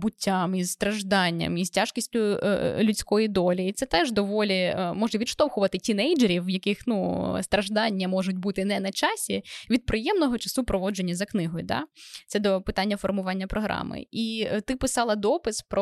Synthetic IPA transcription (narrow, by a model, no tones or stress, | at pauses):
bʊtʲːamizst̪ɾɐʒd̪ɑnʲːɐ̰miztʲaʃkʲisʲtʲʊlʲʊt͡sʲkɔjid̪ɔlʲiːt̪sɛt̪ɛʒd̪ɔʋɔlʲimɔʒnɐʋʲid̪ʃt̪ɔwxʊʋɐt̪ɪtʲinɛjd͡ʒeɾʲiwjɐkɪxnust̪ɾɐʒd̪ɑnʲːɐmɔʒʊtʲbut̪ɪnɛnɐt͡ʃɑsʲiʋʲid̪̚pɾɪjɛmnɔɦɔt͡ʃɐsupɾɔʋɔd͡ʒenʲːɐzɐknɪɦɔjʊd̪ɑ̰t̪sɛd̪ɔpɪt̪ɑnʲːɐfɔrmʊʋɑnʲːɐpɾɔɦɾɑ̰mɪ̰it̪ɪpɪsɑlˠɐd̪ɔpɪspɾɔ